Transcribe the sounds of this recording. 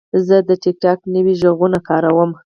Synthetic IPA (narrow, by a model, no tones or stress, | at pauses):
zəd̪əʈɪk̚ʈɑknəwiʒəɣunakɑɾawəm